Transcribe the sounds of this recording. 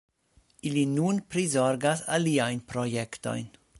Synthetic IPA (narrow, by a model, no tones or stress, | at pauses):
ilinunpɾizo̞ɾɡasa̰liajnpɾojekto̞̰jn